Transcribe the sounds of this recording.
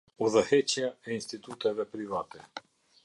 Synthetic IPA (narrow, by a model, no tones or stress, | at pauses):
ɔzahɛt͡ʃiaɛinst̪it̪ut̪ɛvɛpɾivat̪ɛ